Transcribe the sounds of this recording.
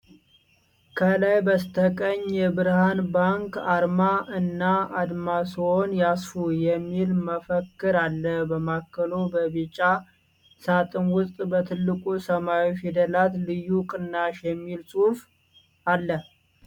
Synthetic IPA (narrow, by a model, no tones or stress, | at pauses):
kʰəlajbəst̪ʰəkʼəɲjɛbɨɾhanbaŋkaɾmaʔɨnːaad̪masonjasfujɛmːilməfəkːɨɾalːəbəmakːəlobəbit͡ʃʼa | sat̪ʼɨnwʊst̪ʼbət̪ʰɨlːɨkʼusəmawifid̪əlat̪lɨjːukʼɨnːaʃjɛmːilsʼuf | alːə